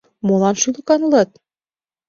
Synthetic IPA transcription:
molɑnʃylɤ̆kɑnɤlɤt̪̚

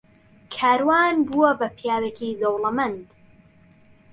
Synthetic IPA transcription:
kʰaːɾwaːnbuɐbɐpʰjaːwekid̪owlɐmɐnd̪

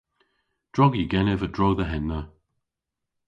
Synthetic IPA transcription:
d̥ɹɔɡiɡɛnɪvədɹɔɡðəɦɛnːə

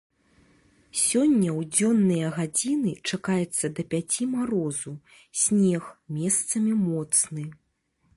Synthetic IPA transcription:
sʲɔnʲːɐwd͡zʲɔnːɨjɐɣad͡zʲinɨt͡ʂakajɛt̪sːɐd̪ɐpʲat͡sʲimaɾɔzu | sʲnʲɛxmʲɛst̪sɐmʲimɔt̪snɨ

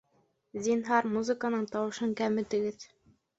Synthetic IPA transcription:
zʲinɦɑɾmuzɨ̆kənɤɴt̪ɑwɤ̆ʃɤŋkæmɘ̆t̪ɘ̆ɡɘð

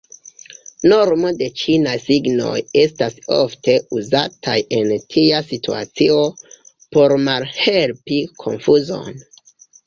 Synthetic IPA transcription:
no̞ɾmo̞de̞t͡ʃinajsiɡno̞̰je̞staso̰fte̞uzatʰajʔe̞ntʰiasitua̰t͡sio̞ | po̞ɾmalhe̞lpikʰo̞̰nfuzo̞̰n

